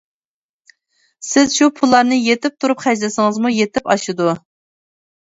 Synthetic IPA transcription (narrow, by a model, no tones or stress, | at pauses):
sɪzʃupʰulˠːɑɾnɨjet̪ɪp̚t̪ʰuɾupχæʒlɪsɪŋɨzmujet̪ʰɪpɑʃɨd̪u